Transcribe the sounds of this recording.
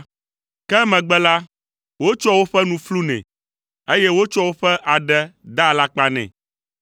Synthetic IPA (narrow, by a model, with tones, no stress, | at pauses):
kɛ˦mɛ̃˨ɡ͡bɛ˦la˦ | wo˦t͡ʃɔ˦wo˦ɸɛ˦nũ˨flu˦nɛ̰̃˨ | e˦jɛ˦wo˦t͡ʃɔ˦wo˦ɸɛ˦ʔa˨ɖɛ˦d̪a˦˨la˦k͡pa˦nɛ̰̃˨